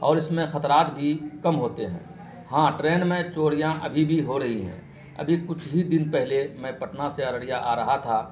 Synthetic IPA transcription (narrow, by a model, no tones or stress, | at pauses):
ɔːɾɪsmẽxɐt̪ɾaːt̪bʱikɐmɦoːt̪eɦɛ̰̃ː | hãːʈɾeːnmẽt͡ʃoːɽijãʔɐ̰bʱibʱiɦoɾɐɦiɦɛ̰̃ː | ɐ̰bʱikʊt͡ʃʰbʱid̪ɪnpɛɦlemɛ̃pɐʈnaseɐɾəɽijaʔaːɾɐɦat̪ʰaː